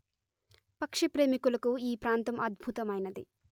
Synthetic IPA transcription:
pɐkʂipɾe̞ːmikulɐkuiːpɾaːnt̪ɐmɐd̪̚bʱut̪ɐmɐjnɐd̪ḭ

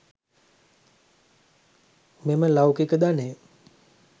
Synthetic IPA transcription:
meməlawkikəd̪ane

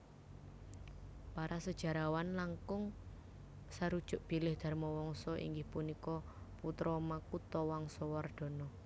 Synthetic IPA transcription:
paɾasəd̥ʒ̥a̤ɾawanlaŋkʊŋ | saɾud̥ʒ̥ʊʔb̥i̤lɪhd̪̥a̤rmɔwɔŋsɔʔḭŋɡɪhpunikɔ | put̪ɾɔmakut̪ɔwɔŋsɔward̪̥ɔ̤nɔ

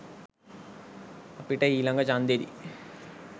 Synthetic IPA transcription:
ɐpiʈɐiːlɐŋɡɐt͡ʃaːnd̪eɾḭ

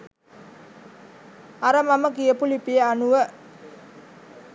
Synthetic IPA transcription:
aɾamaməkijəpulipiəanuwə

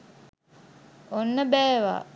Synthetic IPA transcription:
onːəbæːʋa̰ː

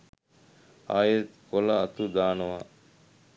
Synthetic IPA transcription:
a̰ːjet̪kolɐːt̪ud̪aːnəʋaː

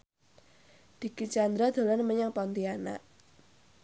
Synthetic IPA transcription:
d̪̥i̤kit͡ʃand̪ɾad̪̥o̤lanməɲaŋpɔnt̪iana̰ʔ

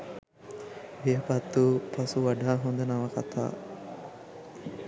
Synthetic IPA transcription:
ʋeɐpɐt̪ːupʰɐsuʋɐɖaːɦund̪ɐnɐʋɐkɐt̪a̰ː

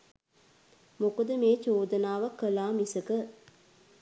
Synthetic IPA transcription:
mokəd̪əmeːt͡ʃoːd̪ənaːʋəkːəlaːmisəkə

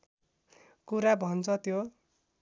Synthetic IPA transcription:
kuɾabʱʌnt͡sʰʌt̪jo

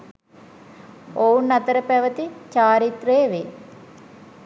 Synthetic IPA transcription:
ownːɐt̪ɐɾəpɛʋət̪it͡ʃaːɾit̪reːʋe

